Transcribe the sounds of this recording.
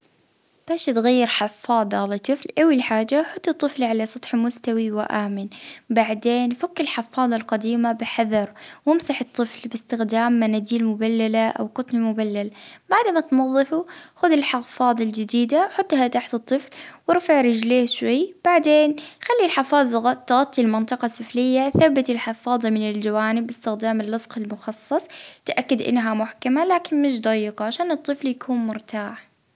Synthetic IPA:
b̥aːʃt̪ɣajːɪɾħɑfːɑːd̪ˤɑlɑt̪ˤːɨflʔawilħaːd͡ʒaħʊt̪ˤːɨt̪ˤːɨflʕalasˤɑt̪ˤħmʊst̪awiwɪʔaːmɪnbaʕd̪eːnfʊkːɪlħɑfɑːðˤɑlqad̪iːmabɪħaðɑɾˤwɪmsaħɨt̪ˤːɨflbɪst̪ɪxd̪aːmːanad̪iːlmʊbalːalaʔa̰wqʊt̪ˤnmʊbalːalbaʕd̪mat̪nɑðˤːɨfuxʊd̪ɪlħɑɣfɑːðˤɪld͡ʒɪd̪iːd̪awħʊt̪ˤːhat̪aħt̪ɨt̪ˤːɨflwɪɾfaʕɾɪd͡ʒleːʃwajb̥aʕd̪eːnxalːilħɪfɑːðˤt̪ɣɑt̪ˤːilmɪnt̪ˤɨqɑsːɨflɪjːaθabːat̪ɪlħɪfɑːðˤɑmɪnɪld͡ʒawaːnɪbːɪst̪ɪxd̪aːmɪlːɑsˤqɪlmʊxɑsˤːɑsˤt̪ʔakːad̪ʔɪ̰nːɦamʊħkamalaːkɪnmɪʃ̬d̪ˤɑjːɪqɑʕaʃaːnɨt̪ˤːɨfljakʰuːnmʊɾt̪aːħ

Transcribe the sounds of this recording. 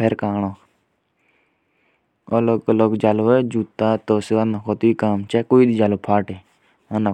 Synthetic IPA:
eɾkaːɽõː | oloklokd͡ʒaːloed͡ʒuːt̪ːaːt̪oːseanãkoːt̪uikaːmt͡ʃakoːid̪id͡ʒaːlopʰaːʈeː | anã

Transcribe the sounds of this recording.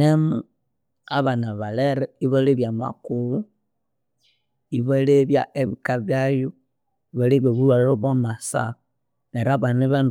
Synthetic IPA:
emu | aβanaβaleɾɛiβoleβjama̰kuβu | iβoleβja̰ʔeβikaβjaju | iβoleβjoβuɾwaɾoβomasa̰ | neɾaβaneβan

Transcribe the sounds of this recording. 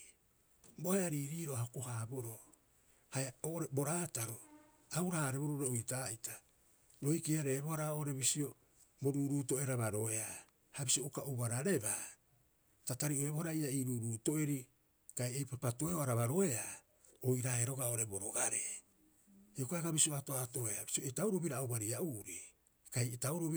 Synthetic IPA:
bohaaɾiːɾiːɾoahokohaːboɾo | hajaoːʔoɾebo̞ɾaːtaɾo | awɾaːɾe̞βoɾoɾeojtaːita | ɾoikeaɾe̞ːbohaɾaoʔɾe̞βisio̞ | bo̞ɾuːɾuːto̞eɾaβaɾo̞e̞a | habisioukaʔuβaɾaɾe̞ba | tataɾioeβohaɾaiaiːɾuːɾuːto̞eɾi | kajejpapato̞eoaɾaβaɾo̞e̞a | ojɾaeɾo̞ɡaoɾebo̞ɾoɡaɾe | eokaeɡabisioato̞ato̞eabisioetawɾoβiɾaːwbaɾiaʔuːɾi | kajetauɾoβi

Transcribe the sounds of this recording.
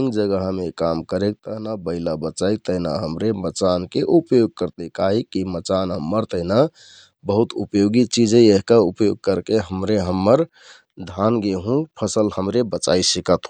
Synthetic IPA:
ŋd͡ʒəɡəɦmekamkəɾek̚t̪əɦnabəɪlabət͡ʃaɪk̚t̪əɦna̰ɦəmɾemət͡ʃankeʔupjoɡ̚kəɾt̪ekaɦikimət͡ʃanɦəmːəɾt̪əɦna | bəɦut̪upjoɡit͡ʃid͡ʒəeɦkaupjoɡ̚kəɾkeɦəmɾeɦəmːəɾ | d̪ʱanɡeɦũpʰəsəlhəmɾebət͡ʃa̰isikət̪

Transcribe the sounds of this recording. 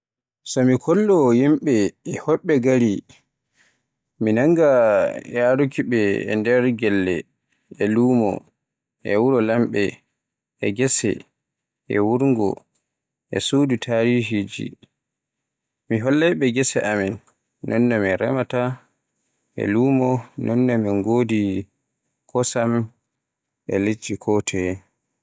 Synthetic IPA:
sɔmikʰɔlːɔːjimɓɛɛhɔɓɛɡaɾi | minaŋɡajaɾukiɓɛ̰ːndɛɾɡɛlːɛ | ɛluːmɔ̰ | ʔɛwuɾɔlamɓɛ | ɛɡɛsɛ̰ | ɛwuɾŋɡɔ̰ | ʔɛ̰suːdutʰaɾiɦid͡ʒḭ | miɦɔlːɛɓɛɡɛsɛʔamɛnː | ɔnːɔmɛɾɛmata | ʔɛ̰luːmɔnʔɔnːɔmɛŋɡoːdi | kʰɔsam | ɛ̰led͡ʒikʰɔtʰɛ

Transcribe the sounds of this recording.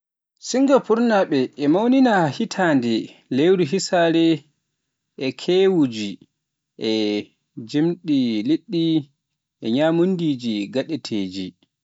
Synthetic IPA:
siŋɡapuɾnaɓɛːmawninahitʰandɛlewɾuɦisaːɾɛ | ʔɛkʰewud͡ʒi | ʔɛ | d͡ʒemɗiliɗːi | ʔɛɲamundid͡ʒiɡaɗɛtʰeːd͡ʒi

